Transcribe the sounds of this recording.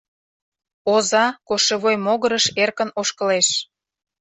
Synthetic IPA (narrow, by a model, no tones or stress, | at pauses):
ozɑkoʃeβojmoɣəɾəʃerkənoʃkə̆leʃ